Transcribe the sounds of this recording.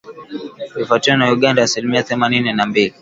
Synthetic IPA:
lifatiwɔnajuɠandaasilimiaθɛmanininambili

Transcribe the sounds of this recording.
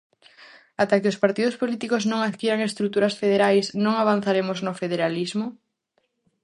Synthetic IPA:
at̪akeospaɾt̪iðʊspolit̪ikoznõŋaðkiɾaŋest̪ɾut̪uɾasfeðeɾajsnõŋaβ̞an̟θaɾemʊznofeðeɾalizmʊ

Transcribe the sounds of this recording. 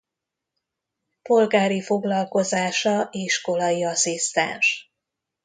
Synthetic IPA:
po̞lɡaːɾifo̞ɡlɒlko̞zaːʃɒʔeːʃko̞lɒjiɒsist̪ɛ̰nʃ

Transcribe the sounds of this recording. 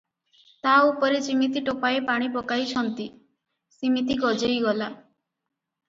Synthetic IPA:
t̪aupɔɾet͡ʃimit̪iʈopaepaɽ̃ibɔkajt͡ʃʰɔnt̪i | simit̪iɡɔd͡ʒejɡɔla

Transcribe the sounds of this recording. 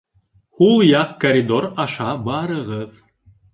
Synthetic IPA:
hulˠjɑqkɐɾʲid̪oɾɑʃɑbɑɾɤ̆ʁɤð

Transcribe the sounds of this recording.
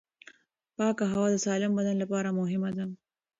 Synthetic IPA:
pɑkaɦawɑd̪əsɑlɪmbad̪anlapɑɾamʊɦɪmad̪a

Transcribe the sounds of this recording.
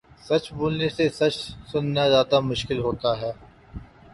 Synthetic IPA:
sɐt͡ʃboːlnesesɐt͡ʃsʊnjad͡ʒaːt̪amʊʃkɪlɦoːt̪aɦɛː

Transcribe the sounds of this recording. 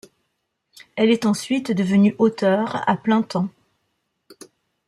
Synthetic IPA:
ɛlɛt̪ɑ̃sɥit̪d̪əvənyʔot̪œʁa̰plɛ̃t̪ɑ̃

